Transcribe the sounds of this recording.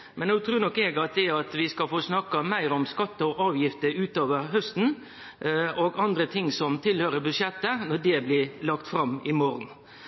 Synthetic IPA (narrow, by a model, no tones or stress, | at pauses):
mʔɛnnuːt̪ʰɾʉːnɔkːɛɡɑt̪̚d̪ɛɑt̪ʋɪskɑfoːsnɑkːɑmæɪɾɔmskɑt̪ːəɔʔɑːʋjɪft̪əɾʉːt̪oːʋəɾɦœst̪n̩ | ɔɡɑnd̪ɾət̪ʰɪŋsɔmt̪ʰɪlhøːɾəbʉʂɛt̪ːənɔɖɛblɪlɑkt̪fɾɑmːɪmɔɾn̩